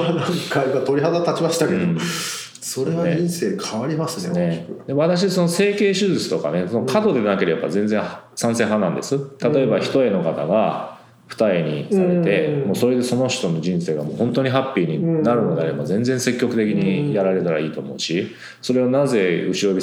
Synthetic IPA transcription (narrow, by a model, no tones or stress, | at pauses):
anãŋkaimat̪o̞ɾiɦad̪at̪at͡ɕimaɕi̥t̪aked̪ | soɾeβaĩñse̞ːkʰaβaɾʲimasɨnekd̪eβat̪aɕ̬iso̞no̞se̞ːke̞ːɕɨzɨt͡sɨ̥t̪o̞ka̰ne̞sonokʰat̪o̞d̪e̞nake̞ɾe̞ba̰zẽ̞nd͡zẽ̞ɰ̃hsãsẽ̞ɦãnãnd̪e̞̰sɨt̪at̪o̞e̞baçi̥t̪o̞e̞no̞kat̪aɡa | ɸɯ̟̥t̪aiɲ̟isaɾe̞e̞mo̞ːso̞ɾe̞d̪e̞so̞no̞ɕi̥t̪o̞no̞d͡ʑĩɰ̃se̞ːɡamo̞ːhõ̞nt̪o̞ɲ̟iɦapʲːiːɲ̟inaɾɯ̟nod̪eaɾe̞bazẽ̞nd͡zẽ̞ɰ̃se̞kʲːo̞kɯ̟t̪e̞k̬ʲiɲ̟ijaɾaɾe̞t̪aɾa̰iːt̪o̞ːmo̞̰ɯ̟ɕi | so̞ɾe̞onaze̞ɯ̟ɕiɾo̞bʲi